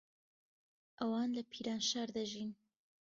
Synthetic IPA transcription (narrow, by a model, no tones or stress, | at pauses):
ʔɐwɑːnlɐpʰiːɾaːnʃaːɾd̪ɐʒiːn